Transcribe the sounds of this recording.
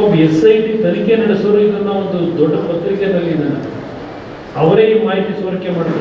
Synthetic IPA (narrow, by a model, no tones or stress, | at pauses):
besɐjt̪it̪ɐnikenɐɽesoːɾɐid̪ɐnd̪ɐond̪ud̪ɔɖːɐpɐt̪ːɾiked̪ɐlːid̪ɐnɐ | ɐʋɐɾeːimaːɦit̪ːisoɾɐkjemaːɽid̪ɐ